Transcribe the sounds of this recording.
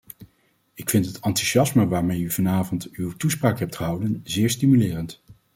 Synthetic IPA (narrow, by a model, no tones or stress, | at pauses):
ɪkfɪntɦətɑntyʒɑsməʋaːɹmejyvɑnaːvɔntywtuspraːkɦɛp̚tχəɦʌwdənzɪːɹstimylɪːrənt